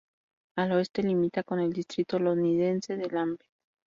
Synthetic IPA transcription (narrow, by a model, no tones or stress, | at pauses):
aloe̞st̪e̞limit̪ako̞ne̞ld̪ist̪ɾit̪o̞loniðense̞ðe̞lambe